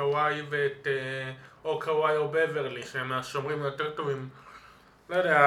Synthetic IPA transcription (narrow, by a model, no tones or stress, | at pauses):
awajveːteokʰawajobeveʁliʃemeaʃomʁimjoteʁtovim | lojdea